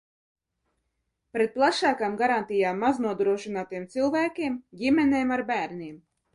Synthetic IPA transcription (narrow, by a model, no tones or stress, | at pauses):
pɾɛt̪̚plˠaʃaːkaːmɡaɾant̪ijaːmːaznuɔd̪ɾuɔʃinaːt̪ijɛmt̪sɨlˠvæːkʲiɛmɡʲimɛnʲɛːmaɾbæːɾnʲiɛm